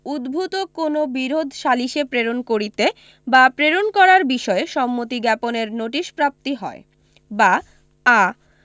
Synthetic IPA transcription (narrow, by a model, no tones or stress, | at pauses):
ud̪bʱut̪okonobiɾod̪ʱʃaliʃepɾeɾonkoɾit̪e | bapɾeɾonkɔɾaɾbiʃɔeʃɔmːot̪iɡɛponeɾnoʈiʃpɾap̚t̪iɦɔe | ba | a